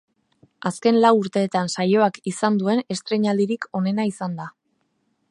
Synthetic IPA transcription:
aske̞nlawuɾt̪e̞ːt̪ansajo̞akisand̪ue̞ne̞st̪ɾe̞ɲald̪iɾiko̞ne̞naisand̪a

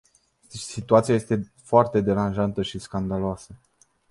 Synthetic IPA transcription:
sit̪uat̪sijaje̞st̪e̞ | foart̪e̞d̪e̞ɾanʒant̪əʃiskand̪aloasə

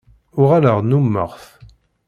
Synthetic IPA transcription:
ʊʁaləʁnumːə̰ʁθ

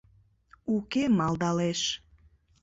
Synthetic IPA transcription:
ukemɑld̪ɑleʃ

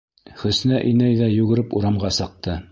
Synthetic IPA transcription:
χɵ̆snæʔinæjðæjʉɡɘ̆ɾɘpuɾɑmʁɑsɤ̆q̚t̪ɤ

